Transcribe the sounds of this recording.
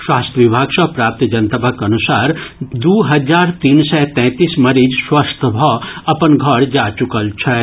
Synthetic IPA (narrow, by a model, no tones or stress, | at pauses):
swaːst̪ʰjʋibʱaːɡsɐpɾaːp̚t̪d͡ʒɐnt̪əbʱəkɐnusaːɾd̪uːɦɐd͡ʒaːɾt̪iːnsɛt̪ɛ̃ːt̪iːsmɐɾid͡ʒswast̪ʰəbʱɔɐpənɡʱɐɽd͡ʒaːt͡ʃukəlt͡ʃʰɛ